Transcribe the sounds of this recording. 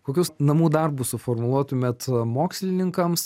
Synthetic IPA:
koːkʲuːsnɐmuːd̪ɐrbʊssʊformʊlˠuɔt̪ʊmʲɛt̪moːksʲlʲɪnʲɪŋkɐms

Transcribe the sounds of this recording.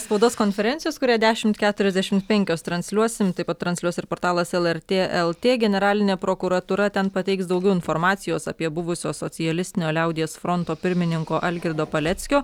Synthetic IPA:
spɐʊd̪oːskoːnʲfʲɛɾʲɛntsʲɪjoːskʊɾʲæːd̪ʲæːʃʲɪmt̪kʲæːt̪ʊɾʲɛzʲd̪ʲɛʃʲɪmt̪pʲɛŋʲkʲoːst̪ɾɐnʲsʲlʲuɔsʲɪmt̪ɐɪpɐt̪t̪ːɾɐnsʲlʲuɔsɪɾpoːɾt̪ɑːlˠɐsɛlˠɛɾʲt̪ʲeːɛlˠt̪ʲeːɡʲɛnʲɛɾɑːlʲɪnʲeːpɾoːkʊɾɐt̪uːɾɐt̪ʲɛnpɐt̪ʲɛɪksd̪ɐʊɡʲɛʊɪnfoːɾmɑːt̪sʲɪjoːsɐ̰pʲiɛbʊʋʊsʲoːsosʲɪjɛlʲɪsʲt̪ʲɪnʲoːlʲɛˑʊd̪ʲɪjɛːsfɾont̪oːpʲɪɾʲmʲɪnʲɪŋkoːʔɐlʲɡʲɪɾd̪oːpɐlʲɛt̪sʲkʲoː

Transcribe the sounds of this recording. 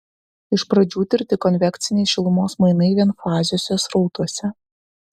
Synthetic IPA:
ɪʃpɾɐd͡ʒʲuːt̪ʲɪɾʲt̪ʲɪkɔnʲʋʲɛkt̪sʲɪnʲɛɪʃʲɪlˠʊmoːsmɐɪnɐɪʋʲiɛnfɑːzʲɪjoːsʲoːsɾɒʊt̪uɔsʲɛ

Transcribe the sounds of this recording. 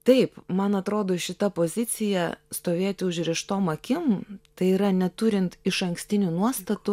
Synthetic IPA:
t̪ɐɪpmɐnɐt̪ɾoːd̪oːʃʲɪt̪ɐpoːzʲɪt̪sʲɪjɛst̪oːʋʲeːt̪ʲɪʊʒʲɾʲɛːʃt̪oːmɐkʲɪmt̪ɐɪiːɾɐnʲɛt̪ʊɾʲɪnt̪ɪʃɐŋksʲt̪ʲɪnʲunuɔst̪ɐt̪ʊ

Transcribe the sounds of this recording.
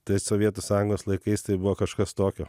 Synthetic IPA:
t̪ɐɪsoːʋʲiɛt̪oːsɑːjʊŋɡoːslˠɐɪkɐɪst̪ɐɪbʊʋoːkɐʃkɐst̪oːkʲoː

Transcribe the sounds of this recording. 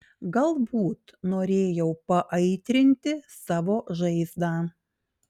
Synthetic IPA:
ɡɐlˠbuːt̪noːɾʲeːjɛʊpɐʔɐɪt̪ʲɾʲɪnʲt̪ʲɪsɑːʋoːʒɐɪzd̪ɑː

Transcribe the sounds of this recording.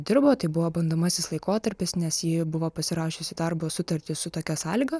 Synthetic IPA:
d̪ʲɪɾboːt̪ɐɪbʊʋoːbɐnd̪oːmɑsʲɪslˠɐɪkoːt̪ɐɾʲpʲɪsnʲɛsjibʊʋoːpɐsʲɪɾɑːʃʲʊsʲɪd̪ɐrbosʊt̪ɐɾʲt̪ʲɪsʊt̪oːkʲɛsɑːlʲɪːɡɐ

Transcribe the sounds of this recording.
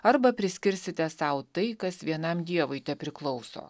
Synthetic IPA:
ɐɾbɐpʲɾʲɪsʲkʲɪɾʲsʲɪt̪ʲɛsɐʊt̪ɐɪkɐsʋʲiɛnɐmd̪ʲiɛʋʊɪt̪ʲɛpʲɾʲɪklˠɒʊso̰ː

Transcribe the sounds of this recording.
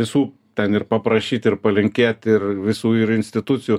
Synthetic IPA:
ɪsuː | t̪ʲɛnɪrpɐpɾɐʃʲiːt̪ʲɪrpɐlʲɪŋʲkʲeːt̪ʲɪrʋʲɪsuːɪɾɪnʲsʲt̪ʲɪt̪ʊt̪t͡sʲɪjuː

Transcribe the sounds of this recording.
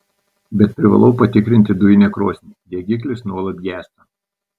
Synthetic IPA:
bʲɛt̪̚pʲɾʲɪʋɐ̰lˠɒʊpɐt̪ʲɪkɾʲɪnʲt̪ʲɪd̪ʊʋʲɪnʲɛkɾoɔsʲnʲid̪ʲiɛɡʲɪk̬ʲlʲɪsnuɔlˠɐt̪ɡʲæːst̪ɐ

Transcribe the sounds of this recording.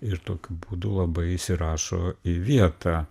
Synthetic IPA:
ɪɾt̪oːkʲʊbuːd̪ʊlˠɐbɐɪiʃsʲɪɾɑːʃoːiʋʲiɛt̪ɑ

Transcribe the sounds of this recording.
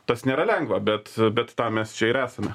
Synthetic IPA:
t̪ɐsnʲeːɾɐlʲɛŋɡʋɐbʲɛt̪bʲɛt̪t̪ɑːmʲɛst͡ʃʲɛɪɾæːsɐmʲɛ

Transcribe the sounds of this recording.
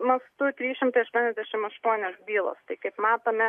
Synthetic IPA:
mɐst̪ʊt̪ʲɾʲiːʃʲɪmt̪ɐɪɐʃt̪uɔnʲɛzʲd̪ʲæʃʲɪmɐʃt̪uɔnʲoːsbʲiːlˠo̰ːst̪ɐɪkɐɪpmɑːt̪oːmʲɛ

